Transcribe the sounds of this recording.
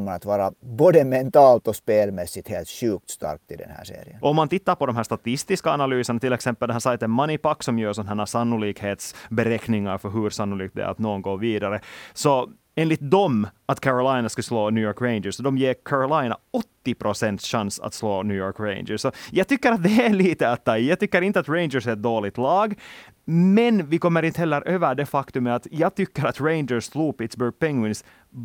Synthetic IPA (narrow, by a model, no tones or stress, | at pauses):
mːɑna̰t̪ʋɑːɾaboːd̪əmɛnt̪ɑːlt̪ɔspeːlmɛsːɪt̪heːlt̪ɕʉːk̚t̪st̪ɑ̰ɾk̚t̪ɪd̪ɛ̰nhæ̰ːʂḛːɾɪ̰ənɔɔmːant̪ɪt̪ːaɾpɔd̪ɔmɦæːʂt̪at̪ɪst̪ɪskaːnalyːsəɳɑt̪ɪlːɛksɛmpːəlhɑnsajt̪ɛnmanɪpakːsɔmjœːsɔnɦæːɳasanːʊliːkheːt̪sbɛɾɛknɪŋaɾfœɾɦɵɾsanːʊliːk̚t̪b̪d̪ɛ̰a̰t̪noːɡnɡoːviːd̪aɾəsɔ | eːnlɪt̪̚d̪ɔmat̪kʰæɾɔlaɪnaskasloːnʉːjɔːɾkɹeɪnd͡ʒəsɔd̪ɔmjeːɾkʰæɾʊlaɪna̰ɔt̪ːɪpʰɾʊsɛnt̪sɕansa̰t̪sloːnʉːjɔːɾkɹḛɪnd͡ʒəsːɔjɑːɡ̚t̪ʏkːəɾat̪̚d̪ɛæɭiːt̪əat̪̚jɑːɡt̪ʏkːəɾɪnt̪əat̪ɾeɪnd͡ʒəɾsɛɾɛt̪̚d̪oːlɪɡ̚t̪lɑːɡ | mɛnvɪkɔmːəɾɪnt̪əhɛlːəɾʔøːvəɖ̪ɛfakt̪ɵmːəat̪jɑːɡ̚t̪ʏkːəɾat̪ɹeɪnd͡ʒəɾssluːpɪt̪sbʉɾɡ̚pɛŋwɪns